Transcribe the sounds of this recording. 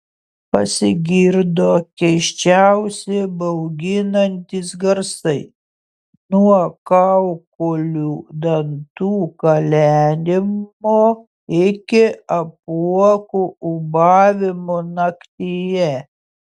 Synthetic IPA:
pɐsʲɪɡʲɪɾd̪oːkʲɛɪʃʲt͡ʃʲæʊsʲɛbɐʊɡʲɪnɐnʲt̪ʲisɡɐɾsɐɪ | nuɔkɑʊkoːlʲuːd̪ɐnt̪uːkɐlʲæːnʲɪmoː | ɪkʲɪɐpuɔkuːʊbɑːʋʲɪmoːnɐkt̪ʲijɛ

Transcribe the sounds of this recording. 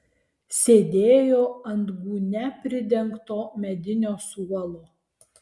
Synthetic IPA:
sʲeːd̪ʲeːjoːɐnd̪ɡuːnʲɛpʲɾʲɪd̪ʲɛŋkt̪oːmʲɛd̪ʲɪnʲoːsuɔlˠoː

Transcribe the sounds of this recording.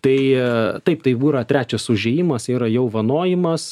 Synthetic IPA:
t̪ɐɪt̪ɐɪpt̪ɐɪbuːɾɐt̪ʲɾʲæːt͡ʃʲɛsʊʒʲeːjɪmɐsiːɾɐjɛʊʋɐnoːjɪmɐs

